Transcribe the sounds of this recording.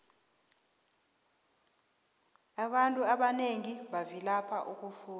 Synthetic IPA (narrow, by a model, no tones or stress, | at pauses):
aɓantʼuaɓaneŋiɓavilapʰaʔuk̬ʼufuː